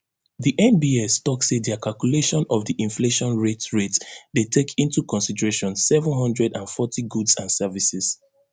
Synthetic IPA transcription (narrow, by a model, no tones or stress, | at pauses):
ðiʔɛ̃nbiestɔksetdiakʰalkjuleʃɔ̃nɔvðiʔĩnfleʃɔ̃nɹetɹetdetʰekʰĩntukɔ̃nsidəɹeʃɔ̃nsɛvə̃nɦʌ̃ndɹɛdãnfɔtiɡudsãnsɛvisɛz̥